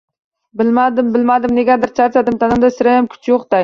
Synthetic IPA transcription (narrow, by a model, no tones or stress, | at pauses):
bɪlmad̪ɪmbɪlmad̪ɪmneɡʲaɾd̪ɪɾt͡ʃʰaɾsad̪ɪmt̪ʰanɪmd̪asɪɾajamkʲʰy̥t͡ʃʰjoqt̪a